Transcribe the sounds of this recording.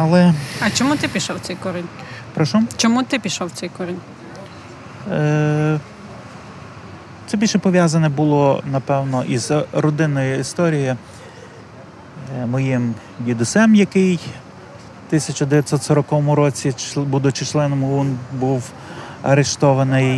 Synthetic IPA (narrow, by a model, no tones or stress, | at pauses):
ɐlˠɛɐt͡ʃɔmut̪ɪpʲiʃɔwt͡s̪ʲɛjkɔɾɪnʲpɾɔʃut͡ʃɔmut̪ɪpʲiʃɔw̪sɛjkɔɾɪnʲ | t̪sɛbʲilʲʃɛpɔʋʲjazɐnʲɛbʊlˠɔnɐpɛwnɔʔizɾɔd̪ɪnɔjʊist̪ɔɾʲijɪ | mɔjɪm | jʲid̪ʊsɛmjɐkɪj | t̪ɪsʲɐt͡ʃʊd̪eʋjɐt̪ʲsɔt̪sɔɾɔkɔʋɔmʊɾɔt͡sʲit͡ʃbud̪ʊt͡ʃɪt͡ʃlˠɛnɔmʊunbuw | ɐ̰ɾeʃt̪ɔʋɐnɪj